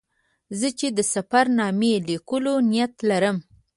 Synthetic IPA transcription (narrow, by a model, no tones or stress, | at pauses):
zət͡ʃed̪əsafaɾnɑmelikəlonijat̪laɾəm